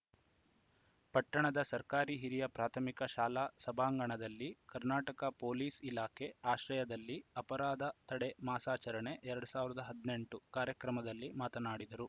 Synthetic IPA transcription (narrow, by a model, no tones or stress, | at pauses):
pɐʈːɐɳɐd̪ɐsɐɾkaːɾiɦiɾijɐpɾaːt̪ʰɐmikɐʃaːlaːsɐbʱaːŋɡɐɳɐd̪ɐlːikɐɾnaːʈɐkɐpoːliːsilaːkʰe̞aːʃɾɐjɐd̪ɐlːiɐpɐɾaːd̪ɐt̪ɐɽemaːsaːt͡ʃɐɾɐɳe̞ʔɛɾɐɽusaːʋiɾɐd̪ɐɦɐd̪ne̞ɳʈukaːɾjɐkɾɐmɐd̪ɐlːimaːt̪ɐnaːɽid̪ɐɾu